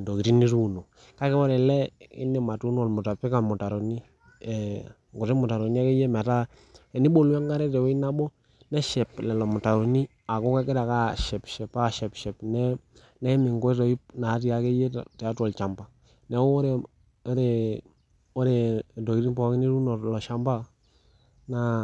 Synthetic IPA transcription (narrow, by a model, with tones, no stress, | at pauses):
ndo˨ki˨ɾi˦ni˦ɾu˦no˨ | ka˦kɛ˦wɔ˦ɾɛ˨lɛ˦ɪ̰˦ni˨ma˨tu˦n˦ɔ˨lmʊ˨ta˨pɪ˦ka˨mʊ˨ta˨ɾo˨ni˦˨ | ŋɡu˨ɾi˦mʊ˨ta˨ɾo˨ni˦a˦ke˦je˦mɛ˨ta˦ | ɛ˨ni˦bo˨lwa˦ŋɡa˦ɾɛ˦tɛ˨we˦i˦na˦bɔ˦ | nɛ˦ʃɛ˨plɛ˨lɔ˨mʊ˨ta˨ɾo˨ni˦ | a˨ku˦kɛ˦kɪ˦ɾa˨ka˦ʃɛ˨pʃɛ˨pa˦ʃɛ˨pʃɛ˨pnɛ˦ | nɛ˦mɪ˨ŋɡo˦ɾɔ˨i˦pna˨˦t̬i˨˦a˦ke˦je˦tɛ˨a˦tɔ˨lt͡ʃa˨mba˨ | nɛ˨˦ɾe˨˦ | ɾe˨ | o˦ɾe˨do˨i˦ɾi˦pɔ˨˦ki˦ni˦ɾu˦nɔ˨lɔ˨ʃa˨mba˦ | na˦